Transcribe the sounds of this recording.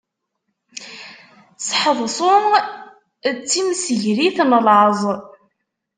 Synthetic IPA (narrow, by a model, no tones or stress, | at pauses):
sħəðˤsˤʊm | t͡sːimsəʝɾiθnəlʕəzˤ